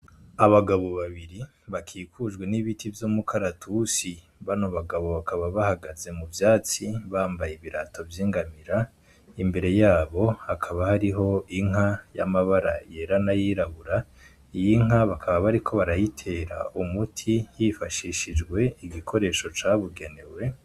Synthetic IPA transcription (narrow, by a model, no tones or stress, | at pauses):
aβaɡaβo̞βaβiɾi | βakʰiːkud͡ʒɡwe̞niβitivjoːmukʰaɾatʰusi | βanoβaɡaβo̞βakaβaβahaɡaze̞muvjaːt͡siβaːmbajeβiɾato̞vjiːŋɡamiɾa | imbe̞ɾe̞jaːβo̞hakʰaβahaɾiɦo̞iŋ̥aja̰maβaɾa̰je̞ɾanajiːɾaβuɾa | ijiŋ̥aβakʰaβaβaɾikʰo̞βaɾajitʰe̞ːɾa̰ʔumutʰijifaʃiʃid͡ʒɡwe̞iɡikʰo̞ɾe̞ːʃo̞t͡ʃaːβuɡe̞ne̞we̞